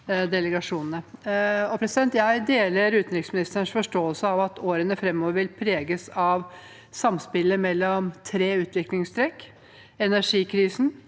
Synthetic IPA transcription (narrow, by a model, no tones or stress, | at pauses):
d̪ɛləɡɑʂuːnn̩əɔpʰɾɛsɪd̪ɛnt̪jæɪd̪eːləɾʉːt̪nɾɪksmɪnɪst̪əɳʂfɔʂʈoːəlsəɑʋɑt̪ʰoːɾənəfɾɛmːɔːʋəɾʋɪlpʰɾeːɡəsɑʋ | sɑmspɪləmɛlːɔmt̪ʰɾeːʉːt̪ʋɪklɪŋst̪ɾɛkː | ɛnæʂiːkʰɾiːsn̩